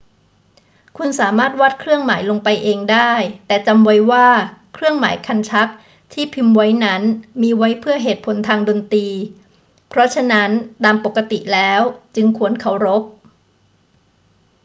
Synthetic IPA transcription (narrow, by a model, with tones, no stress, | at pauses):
kʰu˧nsaː˩˦maː˥˩t̪̚wa˦˥t̪̚kʰɾɯ˥˩əŋmaː˩˦jloː˧ŋpa˧jʔeː˧ŋdaː˥˩jt̪ɛː˨˩t͡ɕa˧mwa˦˥jwaː˥˩kʰɾɯ˥˩əŋma̰ː˩˦jkʰa˧nt͡ɕʰa˦˥k̚ | t̪ʰiː˥˩pʰi˧mwa˦˥jna˦˥nmiː˧wa˦˥jpʰɯ˥˩əɦeː˨˩t̪̚pʰo˩˦nt̪ʰaː˧ŋdoː˧nt̪iː˧ | pʰɾɔ˦˥t͡ɕʰa˧na˦˥nt̪aː˧mpo˨˩kːa˧t̪i˨˩lɛː˦˥wt͡ɕɯ˧ŋkʰu˧ənkʰa˨˩wɾo˦˥p̚